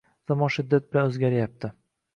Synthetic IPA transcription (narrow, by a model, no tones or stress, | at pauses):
zamɒnʃɪd̪ːat̪̚bɪlanɵzɡʲaɾɪjap̚t̪ʰɪ